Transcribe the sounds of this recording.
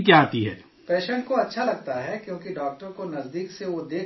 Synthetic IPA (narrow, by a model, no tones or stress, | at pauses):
kjaːt̪iɦɛː | pɛːʃə̃ɳʈkoɐtːʃʰalɐɡ̚t̪aɦɛkjõːkiɖaːk̚ʈəɾkonɐzd̪iːkseʋod̪eː